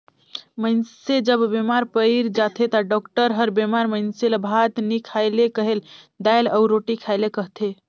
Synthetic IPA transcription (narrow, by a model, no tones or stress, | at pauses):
məɪnsed͡ʒəbːemaɾpəɪɾd͡ʒat̪ʰet̪aɖɔkʈəɾɦəɾbemaɾməɪnseləbʱat̪nikʰaɪlekəɦel | d̪ajləʊɾoʈikʰaɪlekəɦt̪ʰe